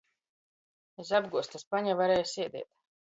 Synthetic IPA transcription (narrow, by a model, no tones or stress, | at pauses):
esabɡuɔst̪aspaɲavaɾɛːjsiɛd̪ḭɛt̪̚